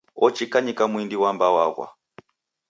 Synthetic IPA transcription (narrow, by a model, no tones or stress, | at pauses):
ɔt͡ʃikaɲikamwindiwambawaɣwa̰